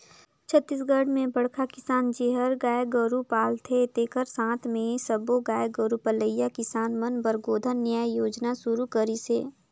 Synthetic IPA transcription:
t͡ʃʰət̪ːiːs̬ɡəɽ̤mẽbɐɽ̤kʰakɪsaːnd͡ʒeːɦəɾɡaːjɡəɾupaːlt̪ʰet̪eːkʰəɾsãːt̪ʰmẽsəboɡaːjɡəɾupələjːakɪsaːnmənbəɾɡoːd̪ʱənːjaːjjoːd͡ʒnasuɾukəɾiseː

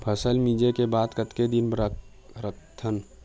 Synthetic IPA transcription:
pʰəsəlmiːd͡ʒekebaːd̪kət̪ked̪inɾ | ɾət̪ʰːən

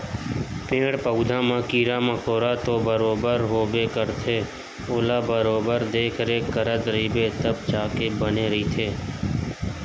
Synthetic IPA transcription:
pẽːɽpəʊd̪ʱãmãkiːɾamə̃koːɾat̪obəɾoːbəɾɦoːbekəɾt̪ʰeː | oːlaːbəɾoːbəɾd̪eːkʰɾekəɾəd̪ɾəiːbeːt̪əb̚t͡ʃaːkebəneɾəit̪ʰeː

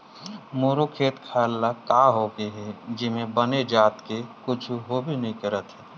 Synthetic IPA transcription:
moːɾokʰeːʈ̪kʰaːlːakaːɦoɡəɦɛd͡ʒɪmẽbəned͡ʒaːt̪kekʊt͡ʃʰɦobʱinəɦĩkəɾət̪ɦɛː

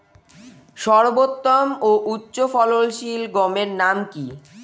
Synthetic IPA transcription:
ʃɔɾbot̪ːomoʔutːɕofɔlolʃilɡɔmeɾnamki

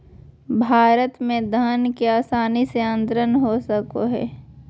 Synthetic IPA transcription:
bʱaːɾət̪mẽd̪ʱənkeaːsaːniseə̃nt̪ɾənɦosəkoɦɛ̰ː

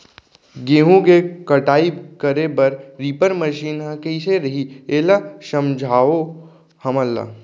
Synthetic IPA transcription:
ɡeːɦũkekəʈaːibkəɾebɐɾɾiːpəɾməʃiːnɦə̃keɪseɾɐɦieːlasəmd͡ʒʱaːo | hɐməlːa̰

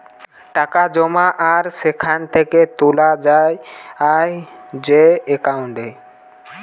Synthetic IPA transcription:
ʈakad͡ʑɔmaʔaɾsekʰant̪ʰeket̪olad͡ʑajajd͡ʑeekauɳʈe

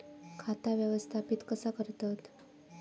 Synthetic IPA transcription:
kʰat̪aʋjəʋəst̪ʰapiːt̪kəsakəɾt̪at̪

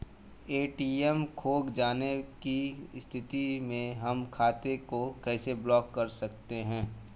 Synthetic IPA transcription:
eːʈiːɛmkʰoːɡd͡ʒaːnekist̪ʰɪt̪imẽɦɐmkʰaːt̪ekokɛːseblɔːkːɐɾsɐkt̪eɦɛ̃ː

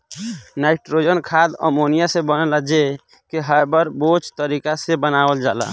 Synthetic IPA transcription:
naɪʈɾod͡ʒənkʰad̪ə̰monijasẽbənəlad͡ʒe | kiɦajbəɾbot͡ʃt̪əɾikasebənabəld͡ʒala̰

